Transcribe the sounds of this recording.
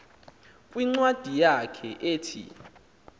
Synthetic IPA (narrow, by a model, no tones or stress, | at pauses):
kʼwiŋ͡ǀwad̥ʱijakʰɛ̰ʔeːtʰḭ